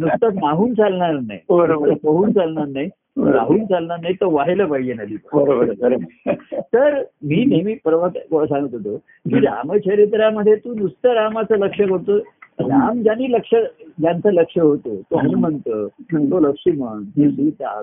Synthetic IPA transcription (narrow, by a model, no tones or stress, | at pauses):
nust̪ənaɦuːnt͡salɳaɾna̰ibəɾoəəpəɦuːnt͡salɳaɾnaj | ɾa̰ɦuːnt͡salɳaɾnajt̪əʋaɦeləːpaɦid͡ʑenad̪ʱiːpəbəɾobəɾbəɾot̪əɾmiːnemiːpɾəʋasãŋɡət̪ɦot̪o | kiɾa̰mət͡ɕʰəɾet̪̬ɾjaməd̪ʱːjet̪uːnust̪əɾamat͡sələkʂəkəɾt̪oːamd͡ʑaniːləkʂəd͡ʑjant͡sələkʂəɦot̪o̰ːt̪oɦamənt̪əːt̪oləkʂiməɳt̪esit̪a̰k